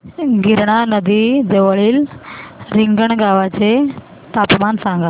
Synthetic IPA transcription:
ɡʱiɾɳ̃anəd̪id͡zeʋəɭiːl | ɾiŋɡəɳɡaʋat͡se | t̪apmansãŋɡa

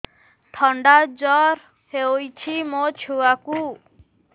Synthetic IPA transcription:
ʈʰɔɳɖad͡ʒɔɾ | heojt͡ʃʰimot͡ʃʰuaku

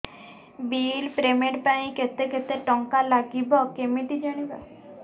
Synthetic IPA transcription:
biːlpɾemeʈpaĩket̪eket̪eʈɔŋkalaɡibɔkemit̪id͡ʒaɽ̃iba

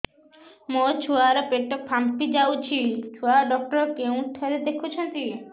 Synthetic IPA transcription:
mot͡ɕʰuaɾɔpeʈːok̚pʰampid͡ʑawt͡ɕʰit͡ʃʰuaɖɔk̚ʈɔɾkew̃ʈ̪ʰeɾed̪ekʰut͡ɕʰɔnt̪i

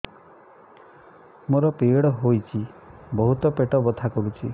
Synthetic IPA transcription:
moɾɔpeɽɔɦojt͡ʃʰibɔɦut̪ɔpeʈɔbɔd̪ʰʱakɔɾut͡ʃʰi

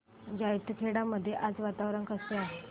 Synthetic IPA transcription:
d͡ʑajit̪ʰːəkʰeɽaməd̪ʱːjeʔad͡zʋat̪aʋɾənkəsja

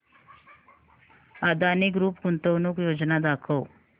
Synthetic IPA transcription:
ad̪ʱanikɾuːpkunt̪əwnukjod͡ʒnad̪akʰəw

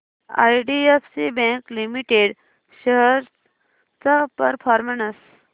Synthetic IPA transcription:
a̰jɖiefsibɛ̃klimiʈeɽ | ɕəɦəɾ | t͡sapəɾfʰɔɾmənəs

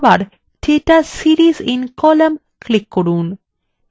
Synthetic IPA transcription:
baɾ | ʈʰeʈasiɾizĩnkɔləm | klikːoɾun

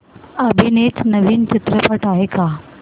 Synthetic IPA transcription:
əbʱinet̪ʰnəʋiːnt͡ɕit̪ɾəpəʈaɦeka

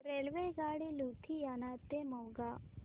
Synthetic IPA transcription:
ɾelʋeɡaːɽilut̪ʰijanaːt̪emɐwɡa

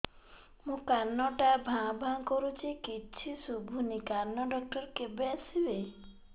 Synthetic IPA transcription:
mũkaɾnɔʈabʱãbʱãŋkɔɾut͡ʃʰikit͡ʃʰisubʱunikaɾnɔɖɔk̚ʈɔɾkebeasibej

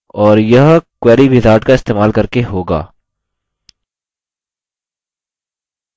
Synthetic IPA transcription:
ɔːɾjɐɦkwɛːɾibʱɪzaːɾʈkaɪst̪eːmaːlkɐɾkeɦoːɡa̰ː

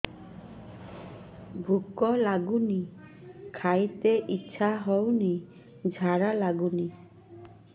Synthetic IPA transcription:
bʱukːɔlaɡuni | kʰajt̪eʔitːʃʰaɦɔwni | d͡ʒʱaɾalaɡuni

